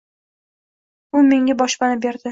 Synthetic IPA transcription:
ʊme̞ŋʲabɒʃpanɪbeɾd̪ɪ

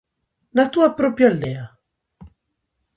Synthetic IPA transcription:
nat̪uapɾɔpjaald̪ea

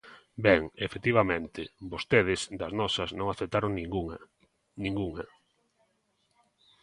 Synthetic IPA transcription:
bɛŋefet̪iβamẽnt̪ɪbost̪eð̞ɪsd̪ɐznɔsɐznõŋaθep̚t̪aɾoŋn | nĩŋɡuŋɐ

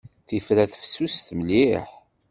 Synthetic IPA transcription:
θifɾæθfə̥sːust̪məliħ

